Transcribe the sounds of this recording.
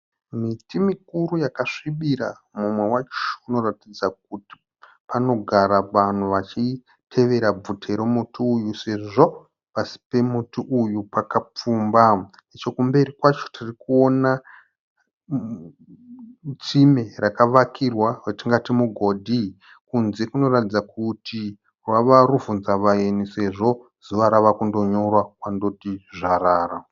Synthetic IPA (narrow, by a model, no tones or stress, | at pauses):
mitimikuɾujakaʂiɓiɾa̰ | mumwe̞wat͡ʃono̞ratid͡zak̚uti̥ | pano̞ɡʱaɾaʋan̤uʋat͡ʃi | tʰe̞ʋe̞ɾab͡vutʰe̞ɾomutiujuse̞ʐo̞ | pasi̥pe̞mutiʔujupakap͡fuːmba | it͡ʃo̞kumbe̞ɾikwat͡ʃo̞̥tʰirikuo̞na | t͡sime̞rakaʋakʰirwaretiŋɡatimuɡʱo̞dʱi | kunze̞kuno̞ratid͡zakutʰi | rwaʋaɾuvunzaʋaenise̞ʐo̞ | z̥uʋaɾaʋakundo̞ɲorwakwando̞tiʐaraːra